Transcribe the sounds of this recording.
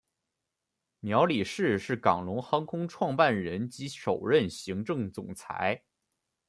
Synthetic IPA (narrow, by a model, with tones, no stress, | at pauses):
mjɑ˧˥ʊli˨˩ʂɻ̩˥˩ʂɻ̩˥˩kɑ˨˩ŋlʊ˧˥ŋxɑ˥ŋkʰʊ˥ŋʈ͡ʂʰwɑ˥˧ŋpa˥˩nɻə˧˥nt͡ɕi˧˥ʂo˨˩ʊɻə˥˩nɕi˧˥ŋʈ͡ʂɤ˥˩ŋt͡sʊ˨˩ŋt͡sʰa̰˧˥ɪ